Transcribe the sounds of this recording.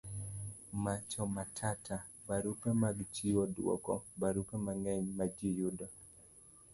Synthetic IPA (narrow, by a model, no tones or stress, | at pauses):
mat͡ʃɔmatʰatʰa | baɾukamaɡt͡ʃiwɔdwɔ̰kɔbaɾukamaŋɛɲmad͡ʒijudɔ